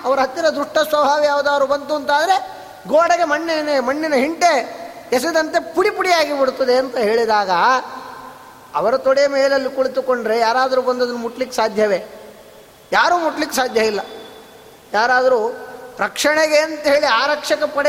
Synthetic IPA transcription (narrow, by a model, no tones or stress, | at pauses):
ɐʋɐɾɐɦɐt̪ːinɐd̪ɾuʂʈɐsʋɐbʱaːʋijaːʋɐd̪ɐːʋɐɾubɐnt̪uɐnt̪aːd̪ɐɾe̞ | ɡoːɽɐɡe̞mɐɳːinmɐɳːinɐɦiɳʈe̞ | ɛs̬id̪ɐnt̪e̞puɽipuɽijaːɡibɐɽut̪ːɐd̪eɐnt̪ɐɦe̞ːɭid̪aːɡɐ | ɐ̰ʋɐɾɐt̪oɽijɐmɛːɐlɐlːikuɭit̪ukoɳɖɾe̞jaːɾaːd̪ɐɾubɐnd̪ɐd̪ɐnːumuʈːɐlikːsaːd̪ʱjɐʋeː | jaːɾuːmuʈːlikːesaːd̪ʱjɐʋilːɐ | jaːɾaːd̪ɐɾuɾɐkʂɐɳeɡeɐnt̪ɐɦe̞ːɭiaːɾɐkʂɐkɐpɐɽ